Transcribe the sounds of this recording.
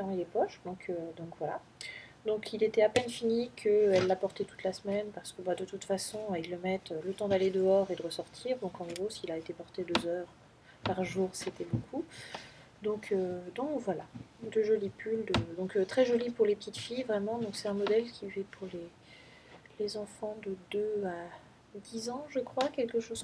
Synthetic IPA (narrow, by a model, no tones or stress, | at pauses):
t̪ɛmijepɔʃd̪ɔ̃kʰød̪ɔ̃kvwala̰ | d̪ɔ̃kʰilet̪ɛapɛnfinikʰəɛlːapɔʁt̪ɛt̪u̥t̪lasmɛnpaʁsə̥kəbad̪ət̪ut̪fasɔ̃ilːəmɛt̪ølət̪ɑ̃d̪aled̪əɔʁed̪əʁəsɔʁt̪ʰiʁd̪ɔ̃kɑ̃ɡʁosilaet̪epɔʁt̪ed̪øzœʁ | paʁʒuːʁset̪ɛbokʰu | d̪ɔ̃kʰød̪ɔ̃kvwalad̪əʒɔlipyld̪əd̪ɔ̃kt̪χɛʒɔlipuʁlepə̥t̪it̪fijvʁɛmɑ̃d̪ɔ̃ksɛt̪ɛ̃mɔd̪ɛlkʲivɛpʰuʁle | lezɑ̃fɑ̃d̪əd̪øa | d̪izɑ̃ʒəkχwakʲɛlkəʃoz